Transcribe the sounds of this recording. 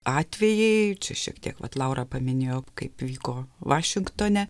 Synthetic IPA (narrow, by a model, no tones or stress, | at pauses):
ɑːt̪ʲʋʲɛjɛɪt͡ʃʲɛʃʲḭɛkt̪ʲḭɛkʋɐ̰t̪lˠɐʊɾɑpɐmʲɪnʲeːjoːkɐɪpʋʲiːkoːʋɑːʃʲɪŋkt̪oːnʲɛ